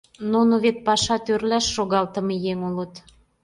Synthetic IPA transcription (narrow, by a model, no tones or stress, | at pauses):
nunoβet̪̚pɑʃɑt̪ørlæʃːoɣɑlt̪ə̆mejeŋulət̪